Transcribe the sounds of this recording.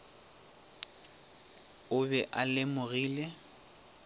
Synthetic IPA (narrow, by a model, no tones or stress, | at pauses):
ʊbɛʔalɪmʊɣiːle